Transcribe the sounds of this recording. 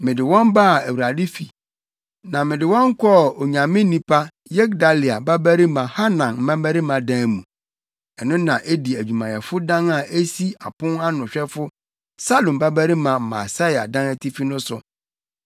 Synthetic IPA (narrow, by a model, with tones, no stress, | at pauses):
mɪ̃˨dɪ˨wɔ̃˦mba˦˨æ˨wu˨ɾa˨dɪ˦fi˨ | nã˨mɪ̃˨dɪ˨wɔ̃˦ŋ̩˦kʰɔ˦˨o˨ɲã˨mɪ̃˦nĩ˦pʰa˦ | jɛ˦ɡda˨lɪ˨a˨ba˦bæ˦ɾi˦mã˨ha˦nã˨nm̩˦mã˦mbæ˦ɾi˦mã˨dã˦˨mũ˨ | ɛ˨nʊ̃˦nã˨ʔe˦di˨æ˨d͡ʑᶣu˨mã˨jɛ˨fʊ˦dã˦na˨ʔe˦si˦a˨pʰʊ̃˦na˦nʊ̃˨ɕᶣɛ˦fʊ˦ | sa˦lõ˨mba˦bæ˦ɾi˦mã˨ma̰˨sa˦ja̰˨dã˦næ˦tʰi˦fi˦nʊ̃˦sʊ˨